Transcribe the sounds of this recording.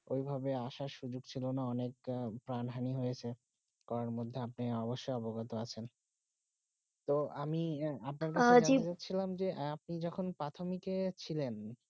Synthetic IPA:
ojbʱabeaʃaɾʃud͡ʑoɡt͡ɕʰilonaɔnekpɾanɦaniɦojet͡ɕʰe | kɔɾaɾmod̪ʱːeapneɔboʃːojɔboɡat̪oat͡ɕʰen | t̪oamiap̚naɾk̬at͡ɕeaid͡ʑatːɕʰilamd͡ʑeʔap̚nid͡ʑɔkʰonpɾat̪ʰomiket͡ɕʰilen

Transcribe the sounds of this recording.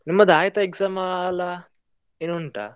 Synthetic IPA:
nimːəd̪aːjt̪ɐeɡzamala | enuɳʈa̰

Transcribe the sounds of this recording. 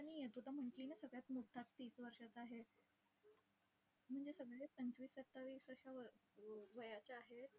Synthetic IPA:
aɽ̃it̪ud̪ʱam̤əɳʈliːnesəɡɭjat̪muʈʰːat͡st̪iːsʋəɾʂat͡saɦe | m̤əɳd͡zesəɡɭepəɲt͡sʋiːsət̪ːaʋisəʂaʋəʋəjat͡ɕaːɦe

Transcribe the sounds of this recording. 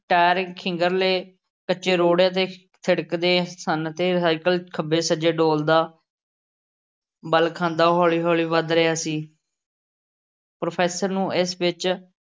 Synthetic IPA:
ʈɛːɾkʰɪ̃ŋɡəɾleː | kət͡ʃeːɾoːɽt̪̬eː | t̪ʰɪɽkd̪eːsənət̪eːsaːɪkəlkʰəbeːsəd͡ʒeːɖoːld̪aː | bəlkʰãːnd̪aːɦɔːliːɦɔːliːʋəd̪ɾəjaːsiː | pɾoːpʰɛːsəɾnũːɪsʋɪt͡ʃ

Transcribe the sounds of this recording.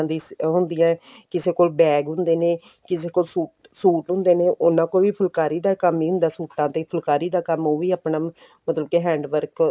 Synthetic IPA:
d̪iːɦʊ̃nd̪ɪjãː | kɪseːkoːlbɛːɡɦʊ̃nd̪eːneː | kɪseːkoːlsuːʈ | suːʈɦʊ̃nd̪eːneːʔʊnãːkoːʋiːpʰʊlkaːɾiːd̪aːkəmiːɦʊ̃nd̪aːsuːʈːãːt̪eːpʰəlkaːɾiːd̪aːkəmoːʋiːaːpnaː | mət̪ləb̚keɦɛ̃ːɳɖʋəɾk

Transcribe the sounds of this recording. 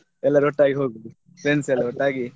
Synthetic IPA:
ɛlːɐɾɔʈːaːɡiɦoːɡid̪i | pɾensɛlːɐɾɔʈːaːɡi

